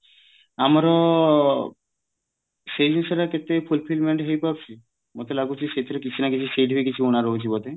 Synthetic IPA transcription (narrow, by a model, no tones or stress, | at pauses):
amɔɾɔ | sed͡ʒensɔɾaket̪epʰulpʰilmeɳʈɦojpab̚t͡ʃʰi | mot̪elaɡut͡ʃʰiʃet̪ʰiɾekit͡ʃʰinakit͡ʃʰiseɖbikit͡ʃʰiunaɾɔɦut͡ʃʰibɔd̪e